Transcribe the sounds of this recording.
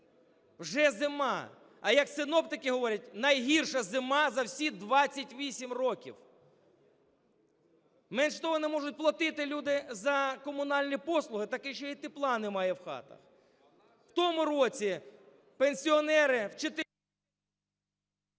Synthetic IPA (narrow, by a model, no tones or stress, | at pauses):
wʒɛzɪmɑ | ɐjɐksɪnɔpt̪ɪkɪɦɔʋɔɾʲɐt̚ʲnɐjɦirʃɐzɪmɑzɐwsʲid̪ʋɑt͡sʲːɐtʲʋʲisʲimrɔkʲḭw | mɛnʃt̪ɔɦɔnɛmɔʐʊt̚ʲplˠɐt̪ɪt̪ɪlʲud̪ɪzɐkɔmʊnɑlʲnʲipɔslˠʊɦɪt̪ɐkɪʃt͡ʃɔit̪ɪplˠɑnɪmɑjɛwxɑ̰t̪ɐ̰x | w̥t̪ɔmʊɾɔt͡sʲi | penʲsʲiɔnɛɾɪwt͡ʃet̪